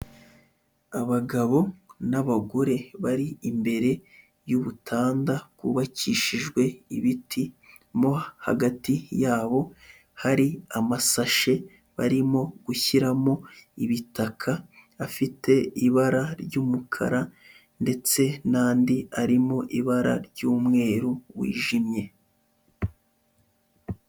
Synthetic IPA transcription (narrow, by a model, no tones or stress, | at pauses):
aβaɡaβo̞naβaɡoɾe̞βaɾiimbe̞ɾe̞ | juβutʰaːndakuβaciʃiʒɡwe̞iβitʰi | mo̞ha̰ɡatijaːβo̞ | haɾiamasaʃe̞ | βaɾimo̞ɡ̥uçiɾamo̞iβitakʰaːfite̞iβaɾaɾɟuːmukʰa̰ɾa | nde̞t͡se̞naːndiaɾimo̞ʔiβaɾa̰ɾɟuːmŋe̞ːɾuwḭːʒimɲe̞